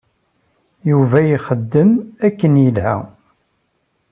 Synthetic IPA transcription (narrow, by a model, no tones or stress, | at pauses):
juvæjiχəd̪ːəmækːənjəlhæ̰